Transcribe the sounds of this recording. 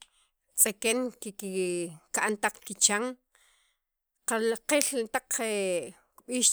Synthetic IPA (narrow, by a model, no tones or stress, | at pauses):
t͡sʼekeŋkikikaʔnt̪aq͡χkit͡ʃaŋ | qalaqelt̪aq͡χe | kɓiːʃ